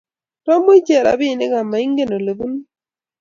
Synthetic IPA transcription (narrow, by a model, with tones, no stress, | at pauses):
tɔ˦mu˦d͡ʒe˨ɾa̰˨bi˦˨nɪ˦ɡa˨mːa˨i˦ŋɡe˦˨no˨le˨bu˦n˦